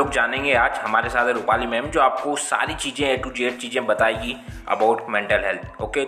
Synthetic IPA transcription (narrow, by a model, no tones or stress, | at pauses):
oːkd͡ʒaːnẽːŋɡeaːd͡ʒhɐmaːɾesaːt̪ʰɛɾʊpaːlimɛ̃ːmd͡ʒoːaːp̚kosa̰ːɾit͡ʃiːzẽeːʈud͡ʒeːʈ̚t͡ʃiːzẽbɐt̪aːeɡiɐ̰baʊʈmɛ̃ɳʈəlɦɛlt̪ʰoːkeː